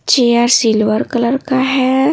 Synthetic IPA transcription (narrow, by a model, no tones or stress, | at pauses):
t͡ʃejaɾsilʋəɾkələɾkaɦe